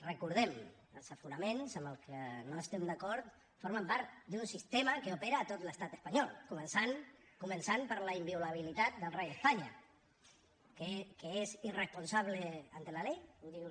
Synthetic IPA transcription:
rəkuɾðɛm | ə̰lˠsəfunəmẽnsəmbəlˠkənoəst̪ɛmd̪akɔɾt̪ | foɾməmpaɾt̪d̪unsist̪eməkəupeɾəːt̪ot̪ləst̪at̪əspaɲɔlˠkumənsan | kumənsanpəɾləimbiulaβ̞ilit̪at̪̚d̪əlˠrejðəspaɲə | kekəezirəspunsaβ̞ləant̪əlalejkumd̪iw

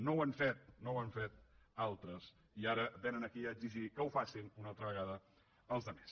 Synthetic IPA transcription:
nowaɱfet̪̚nowaɱfet̪̚alˠt̪ɾəs | iaɾəbenənəkiəːɡziʒikəwfasinunalˠt̪ɾəβəɣaðə | əlˠzðəmes

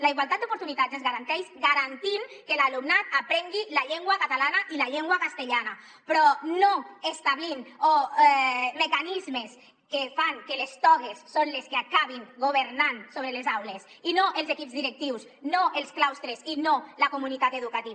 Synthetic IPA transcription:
laiɣwalˠt̪at̪d̪upuɾt̪unit̪atzezɣaɾant̪ɛjsɡaɾant̪iŋkelalumnat̪apɾɛŋɡilaʎeŋɡwakat̪alanaʔilaʎeŋɡwakast̪eʎana | pɾɔnoest̪aβlino | mekanizmes | kefaŋkelest̪ɔɣesːonleskeakaβiŋɡoβ̞eɾnansoβɾelezawles | inoʔelˠzekipzðiɾek̚t̪iws | noʔelˠsklawst̪ɾezinolakomunit̪at̪eðukat̪i

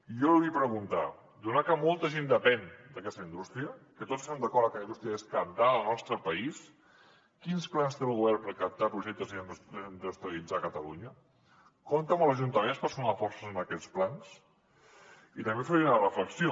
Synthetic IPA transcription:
iɔluɣipɾəɣunt̪a̰ | d̪unakəmɔlˠt̪əʒend̪əpɛnd̪əkɛst̪əind̪ust̪ɾiəkət̪ott͡ssəsɛmd̪əkɔɾəkəlɐind̪ust̪ɾiəeskəp̚d̪aəlˠnɔst̪ɾəpəis | kinsplanst̪elˠɣuβɛɾpəɾkəp̚t̪apɾuʒɛk̚t̪əziənnd̪ust̪ɾəlid͡zakət̪əluɲə | kont̪əməlˠzəʒunt̪əmenspəɾsunafɔrsəzənəkɛt͡splans | it̪əmbefeɾnərəfləksio

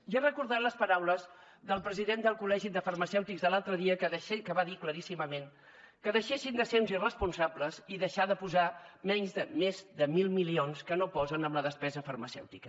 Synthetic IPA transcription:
ʒarəkuɾðat̪ləspəɾawləz | ðəlˠpɾəziðend̪əlˠkulɛʒid̪əfərməsɛwt̪ikzðəlalˠt̪ɾəðiəkəkəβaðikləɾisiməmen | kəðəʃesind̪əseɾunzirəspunsabləziðəʃaðəpuzamɛɲzðəmezðəmilˠmilionskənopɔzənəmləðəspɛzəfərməsɛ̰wt̪ikə

